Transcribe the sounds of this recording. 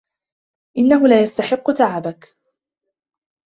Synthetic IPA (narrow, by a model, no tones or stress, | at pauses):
ʔɪnːaɦʊlaːjast̪aħɪqːʊt̪aʕabak